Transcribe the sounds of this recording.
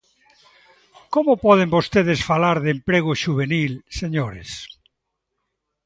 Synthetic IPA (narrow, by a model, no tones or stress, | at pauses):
komʊpɔðembost̪eð̞esfalaɾðempɾeɣ̞ʊʃuβenilseɲoɾḛs